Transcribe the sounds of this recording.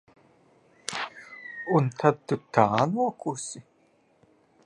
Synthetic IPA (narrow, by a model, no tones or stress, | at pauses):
unt̪ʰat̪ːut̪aːnuɔkusi